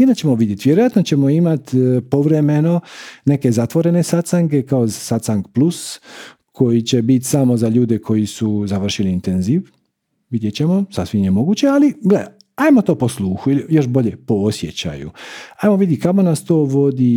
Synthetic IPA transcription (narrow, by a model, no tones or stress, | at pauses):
inat͡ɕe̞moʋid̪jet̪ʋjeɾojat̪not͡ɕe̞mo̞imat̪po̞ʋɾe̞meno̞ne̞ke̞zat̪ʋo̞ɾe̞ne̞sat̪saŋke̞kaozsat̪saŋkplus | kʰo̞jit͡ɕe̞bit̪samo̞zaʎuːd̪ekʰo̞jisuzaʋr̩ʃiliːnt̪enziːʋ | ʋid̪jet͡ɕe̞mo̞sasʋimjemo̞ɡuːt͡ɕe̞aliɡlea | ajmot̪o̞ːpo̞slˠuːxuilijo̞ʃbo̞ʎepo̞osjet͡ɕa̰jṵajmoʋid̪jikamonast̪o̞ːʋo̞d̪i